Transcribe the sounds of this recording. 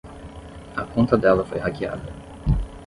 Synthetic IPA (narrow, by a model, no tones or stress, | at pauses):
ɐkõnt̪ɐd̪ɛlɐfo̰jhakia̰d̪ɐ